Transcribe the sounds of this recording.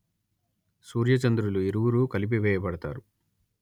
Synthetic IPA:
suːɾjɐt͡ʃɐnd̪ɾuluiɾuwuɾuːkɐlip̬iʋɛːjɐpɐɽɐt̪a̰ːɾu

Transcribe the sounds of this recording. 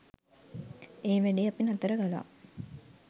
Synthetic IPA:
eːʋæɖiɐpinɐt̪ɐɾəɡala̰ː

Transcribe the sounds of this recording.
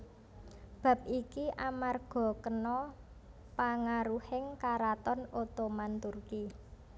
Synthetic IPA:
b̥a̤p̚ʔikiʔamarɡ̥ɔ̤kənɔ | paŋaɾuhɪŋkaɾat̪ɔnot̪omant̪urki

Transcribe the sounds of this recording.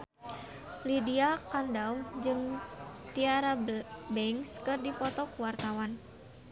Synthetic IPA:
lidiakandawd͡ʒɨŋt̪iaɾabɛŋskɨrdipɔt̪ɔkuwart̪awan

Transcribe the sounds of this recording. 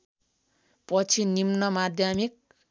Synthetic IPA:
pʌt͡sʰinimnʌmad̪ʱjamik̚

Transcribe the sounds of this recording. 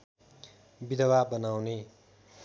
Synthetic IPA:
bid̪ʌwabʌnawne

